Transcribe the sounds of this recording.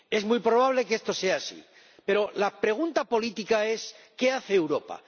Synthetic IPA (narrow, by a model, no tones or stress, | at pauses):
e̞zmujpɾo̞β̞aβle̞kest̪o̞se̞asḭ | pe̞ɾo̞lapɾe̞ɣ̞unt̪apo̞lit̪ikae̞s | ke̞aθe̞ːwɾo̞pa̰